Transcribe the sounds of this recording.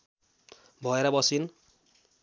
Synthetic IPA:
bʱʌeɾʌbʌsin

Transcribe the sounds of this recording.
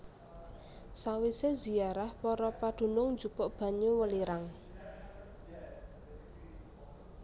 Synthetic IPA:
sawisezi̤aɾahpɔɾɔpad̪̥ṳnʊŋnd͡ʒupɔʔb̥ä̤ɲuwəliɾaŋ

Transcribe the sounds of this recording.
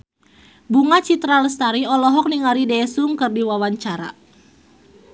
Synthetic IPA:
buŋat͡ʃit̪ɾaləst̪aɾiɔlɔɦɔk̚niŋaɾidɛsuŋkɨrdiwawaɲt͡ʃaɾa̰

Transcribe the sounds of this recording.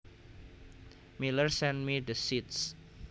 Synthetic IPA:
milərsɛnmid̪əsit̪̚s

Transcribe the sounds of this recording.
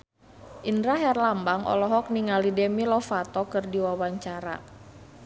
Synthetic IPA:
ʔindɾaɦjarlambaŋʔɔ̰lɔɦɔk̚niŋalidɛmilɔfat̪ɔkɨrdiwawaɲt͡ʃaɾa̰

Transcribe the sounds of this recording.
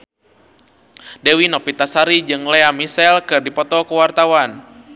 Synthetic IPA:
dɛwinɔpit̪asaɾid͡ʒɨŋlɛamisɛlkɨrdipɔt̪ɔkuwart̪awan

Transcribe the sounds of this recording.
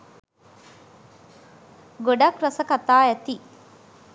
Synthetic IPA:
ɡoɖɐkɾɐsɐkɐt̪aːɛt̪i

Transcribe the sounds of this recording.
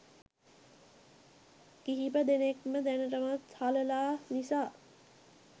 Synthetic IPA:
kiɦipəd̪enekməd̪ænəʈəmat̪haləlaːnisaː

